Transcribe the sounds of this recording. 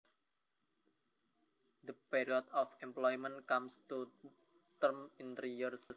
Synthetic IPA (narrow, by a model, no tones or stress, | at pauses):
d̪əpiɾiɔt̪ɔfɛmplɔjmə̃nkamst̪u | t̪ərmint̪ɾijərs